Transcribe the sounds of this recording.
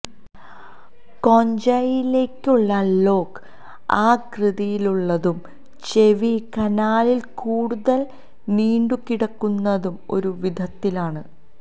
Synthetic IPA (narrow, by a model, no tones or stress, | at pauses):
ko̞ɲd͡ʑɐjile̞ːkʲːuɭːɐlo̞ːk | aːkrɨðijiluɭːɐðum | t͡ɕe̞ʋikɐnaːlilkuːɽuðɐl | niːɳɖukiɽɐkːunːɐðumo̞̰ɾuʋid̪ʱɐt̪ːilaːɳɨ